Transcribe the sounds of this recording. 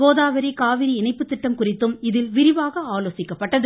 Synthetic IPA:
oːðaːʋɐɾikaːʋɪɾiɪnɐɪpːɯt̪ːɪʈːɐmkʊrɪt̪ːɯmɪðɪlʋɪɾɪʋaːɣɐaːloːsɪkːɐpːɐʈːɐðɯ

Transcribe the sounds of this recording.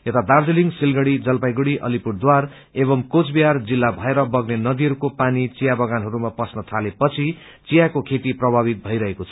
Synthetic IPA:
et̪ad̪ard͡ziliŋɡsilɡʌɽid͡zʌlpajɡuɽiʔʌ̰lipuɽd̪war | eβʌmkot͡sbijard͡zilːabʱʌeɾʌbʌɡnenʌd̪iɦʌɾukopanit͡sijabʌɡanɦʌɾumapʌsnʌt̪ʰalepʌt͡sʰi | t͡sijakokʰet̪iprʌbʱabit̪̚bʱʌjɾʌɦekot͡sʰʌ̥

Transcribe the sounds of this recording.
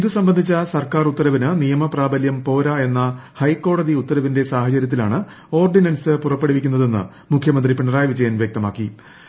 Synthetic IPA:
iðusɐmbɐnd̪ʱit͡ɕːɐsɐrkaːrut̪ːɐɾɐʋinɨnijɐmɐpraːbɐljɐmpo̞ːɾae̞nːɐhɐjkːo̞ːɽɐðiut̪ːɐɾɐʋinde̞saːhɐt͡ɕɐɾʲjɐt̪ːila̰ːɳɨ | o̞ːrɖinɐnsɨpurɐpːeɽiʋikʲːunːɐðe̞nːɨ̰ | mukʰjɐmɐnd̪ripiɳːɐraːjɐʋid͡ʑɐjɐnʋjɐk̚t̪ɐmaːkːi

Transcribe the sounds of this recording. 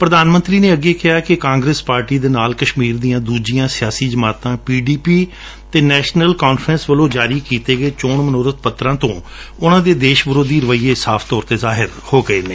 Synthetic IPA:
pɾəd̪aːnmə̃nt̪ɾiːneːəɡeːkɪɦaːkɪkãːŋɡɾespaːɾʈiːd̪eːnaːlkəʃmiːɾd̪ijãːd̪uːd͡ʒijãːsɪjaːsiːd͡ʒəmaːt̪ãːpiːɖiːpiː | t̪eːnɛːʃnəlkaːnfʰɾə̃ːnsʋəlõːd͡ʒaːɾiːkiːt̪eːɡəeːt͡ʃoːɳmənoːɾət̪̚pət̪ːɾãːt̪õː | ʊnãːd̪eːd̪eːʃʋəlõːd̪iːɾəʋəiːeːsaːpʰt̪ɔːɾt̪eːzaːɦɪɾ | hoːɡəeːneː

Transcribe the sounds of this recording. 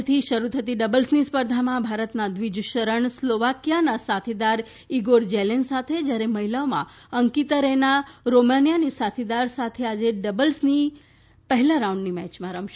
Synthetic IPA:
t̪ʰiʃəɾut̪ʰət̪iɖəbəlsnispəɾd̪ʱamãbʱaɾət̪nad̪ʋid͡ʒʃəɾəɳsloʋakijanasat̪ʰid̪aɾ | iɡoɾd͡ʒɛlensat̪ʰed͡ʒjaɾeməɦilaomã̰əŋkit̪əɾenaɾomanijanisat̪ʰid̪aɾsat̪ʰead͡ʒeɖəbəlsni | pəɦɛlãɾaũɳɖnimɛt͡ʃmãɾəmʃ

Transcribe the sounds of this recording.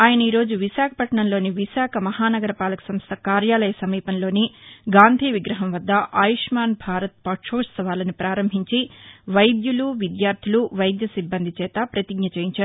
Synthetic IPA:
aːjɐnɐiːɾo̞ːd͡ʒuʋiʃaːkʰɐ̥pɐʈɐɳɐnlo̞ːniʋiʃaːkʰɐmɐhaːnɐɡɐɾɐpaːlɐku̥sɐmst̪ʰɐkaːɾjaːlɐjɐsɐmiːpɐnlo̞ːniɡaːnd̪ʱiːʋiɡɾɐɦɐmʋɐd̪ːɐʔaːjiʂmaːnbʱaːɾɐt̪̚pɐʈʂoːʂsɐʋaːlɐnipɾaːɾɐmbʱiɲt͡ʃiʋɐjd̪juluʋid̪jaːɾt̪ʰiluʋɐjd̪jɐsibːɐnd̪ʱit͡ʃɛːt̪ɐpɾɐt̪iɡ̚ɲɐt͡ʃeːjiɲt͡ʃaːɾu

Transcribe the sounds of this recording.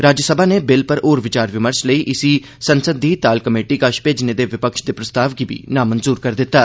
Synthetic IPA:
ɾaːd͡ʒəsəbʱaːneːbɪlpəɾʔoːɾʋɪt͡ʃaːɾʋɪməɾsləiːʔɪsiː | sənsəd̪iːt̪aːlkəmeːʈiːkəʃpeːd͡ʒneːd̪eːʋɪpəkʃd̪eːpɾəst̪aːʋɡiːbḭːnaːmənzuːɾkəɾd̪ɪt̪ːaː

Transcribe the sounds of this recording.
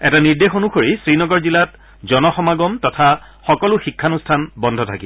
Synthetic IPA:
ɛtaniɹdexonukʰoɹisɹinɔɡɔɹzilat | zɔnɔxɔmaɡɔmtɔtʰa | xɔkɔlʊxikʰːanustʰanbɔndʱɔtʰaki

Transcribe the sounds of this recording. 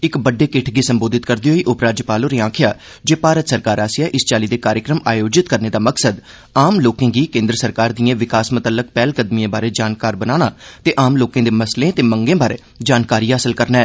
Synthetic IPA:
ɪkbəɖːeːkɪʈʰɡiːsəmboːd̪ɪt̪kəɾd̪iːɦoːiːʔʊpɾaːd͡ʒəpaːloːɾiːãːkʰɪjaː | d͡ʒeːpaːɾət̪səɾkaːɾaːsijaːʔɪst͡ʃaːliːd̪eːkaːɾjəkɾəmaːjoːd͡ʒɪt̪kəɾneːd̪aːməksəd̪ | aːmloːkẽːɡiːkẽːnd̪ɾəsəɾkaːɾd̪ijãːʋɪkaːsmət̪əlːək̚pɛːlkəd̪mijãːbaːɾeːd͡ʒaːnkaːɾbənaːɽ̃aːt̪eːʔaːmloːkãːd̪eːməslẽːt̪eːməŋɡẽːbaːɾḛː | d͡ʒaːnkaːɾiːɦaːsəlkəɾnɛː

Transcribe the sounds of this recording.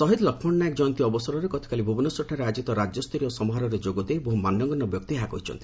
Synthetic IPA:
sɔɦid̪lɔkʰmɔɳnaekd͡ʒɔnt̪iɔbɔsɔɾɔɾekɔt̪ʰi̥kalibʱubɔnɔsɔʈʰaɾead͡ʒit̪ɔɾad͡ʒjɔst̪ʰɾijɔsɔmɔɦaɾɔɾed͡ʒoɡɔd̪eboɦumanjɔŋɡɔnːɔbjɔk̚t̪iɦakɔɦit͡ʃʰɔ̰nt̪ʰi̥

